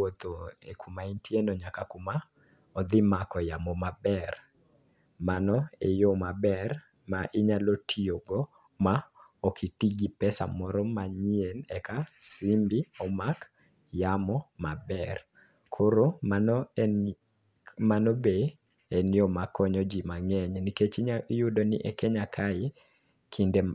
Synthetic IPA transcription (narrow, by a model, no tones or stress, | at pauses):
wot̪oḛkʰumaintʰjenoɲakakuma | ɔd̪ɪmakɔjamɔmabɛr | manɔejomabɛr | maʔɪɲalotʰioɡɔ | maokʰitiɡipɛsa̰mɔɾɔmaɲienɛkasimbiɔmak | jamɔmabɛr | kʰoɾo | manobe | enjɔmakːɔɲɔd͡ʒimaŋɛɲniket͡ʃiɲaijudonḭʔɛkɛɲakʰaɪ | kʰinde